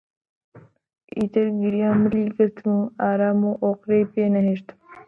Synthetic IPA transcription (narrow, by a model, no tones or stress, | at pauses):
ḭt̪ɐɾɡiɾijaːməliɡəɾt̪ʰmũaːɾaːmũʔoːqɾejpeːnɐɦeːʂt̪m